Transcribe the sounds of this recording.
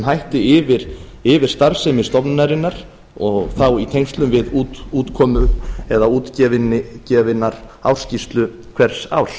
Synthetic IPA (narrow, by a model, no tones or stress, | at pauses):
nɦajht̪ɪɪvɪɾ̥ | ɪvɪɾ̥st̪aɾsɛmɪst̪ɔpnnaɾɪnːaɾ̥ | ɔɣθawit̪ʰejŋst̪lʏmvɪðuːt̪uːt̪kʰɔːmʏɛðauːt̪cɛvɪnɪcɛvɪnːaɾawrscist̪lʏ | kʰv̥ɛɾ̥sa̰wl